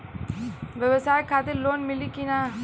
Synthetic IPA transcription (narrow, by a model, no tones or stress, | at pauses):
ʋjɐʋɐsaːjkʰːaːt̪ɪɾloːnmɪlːikina